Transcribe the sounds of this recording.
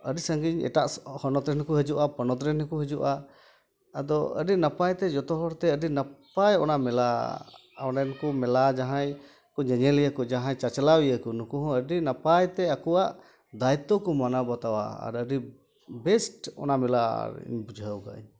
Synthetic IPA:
əɖisəŋɡiɲɛ̰ʈaʔhɔnɔt̪ɾɛnkɔɦəd͡ʒuʔapɔnɔt̪ɾɛnkuɦəd͡ʒuʔaː | d̪ɔə̰ɖinapajt̪ɛd͡ʒɔt̪ɔɦɔɾt̪ɛəɖinapajɔnamɛla | ɔnɛnkɔmɛlad͡ʒaɦãj | kɔɲɛɲɛlijəkɔd͡ʒaɦãjt͡ʃat͡ʃlawijəkɔnukuɦɔ̃əɖinapajt̪ɛakuwaʔ | d̪ait̪ːɔkɔmanabat̪awa̰a̰ɾəɖi | bɛsʈɔ̰namɛla̰ḭɲbud͡ʒʱɦəwka̰ʔḭɲ

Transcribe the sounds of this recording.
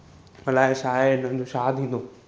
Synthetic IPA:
mɐlaːɪʃaːɪɪnəɪ̃ɲd͡ʑoʃaːd̪ʱĩːnd̪o

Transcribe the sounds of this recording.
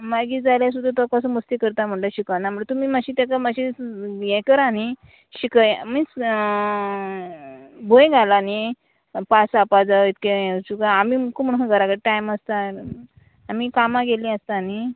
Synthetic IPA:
maɡiːd͡zaljas̬ud̪ʱat̪ɔkasəməst̪ikəɾt̪am̤əɳʈəɕikənaməʈt̪um̤iːmaɕiːt̪akamaɕijɛ̃kəɾani | ɕikəjmi | bʱoj̃ɡʱalani | pasapad͡zaʋit̪ket͡ɕukaamiːmukum̤əɳkaɡəɾakəɽʈajmast̪aː | miːkamãɡelĩast̪ani

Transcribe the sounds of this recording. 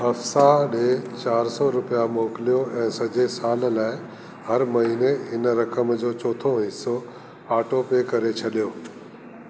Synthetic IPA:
ɦɐfsaɗeːt͡ɕaːɾsɔɾʊpijamoːkɪlijoʔɛ̃ːsɐd͡ʑesaːllaːɪ | hɐɾmɐɦiːneɦɪnɾɐkəmd͡ʑoːt͡ɕoːt̪ʰõɦɪso | aːʈopekɐɾet͡ɕʰɐɗijoː

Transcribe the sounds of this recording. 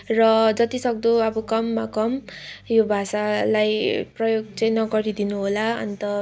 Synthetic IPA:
rʌd͡zʌt̪isʌk̚d̪oʌbʌkʌmːakʌmjobʱasalajprʌjoɡt͡sʌj̃nʌɡʌɾid̪inuɦolaʌ̰nit̪ʌ

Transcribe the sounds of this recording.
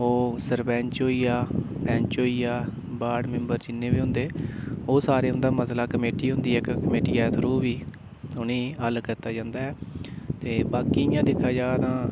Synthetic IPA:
oːsəɾbɛ̃ːɲt͡ʃɦoːiːaːbɛ̃ːɲt͡ʃoːiːaː | baːɖmẽmbəɾd͡ʒɪnːẽːbiːɦʊ̃nd̪eːoːsaːɾeːɦʊ̃nd̪aːməslaːkəmeːʈiːɦʊ̃nd̪iːɦɛːkkəmeːʈiːɛːt̪ʰəɾuːʋiː | ʊnĩːəlkəɾt̪aːd͡ʒãːnd̪aːɛːt̪eːbaːkiːjãːd̪ɪkʰaːd͡ʒaːt̪ãː

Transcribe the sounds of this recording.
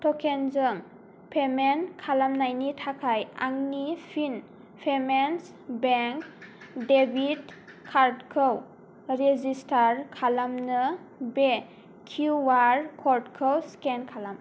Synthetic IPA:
tʰɔkʰenzɯm | pʰemenkʰalamnajnitʰakʰaja̰ŋnipʰin | pʰemens | beŋkdebʱitkʰːaɾtkʰɯw | ɾezistʰaɾkʰalamnɯ | be | kʰuwaɾkʰɔɾdkʰɯwskenkʰalam

